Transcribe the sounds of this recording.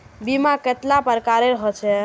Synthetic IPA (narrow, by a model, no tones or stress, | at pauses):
bimaket̪lapəɾkaɾeɾəɦɔt͡ʃʰɛ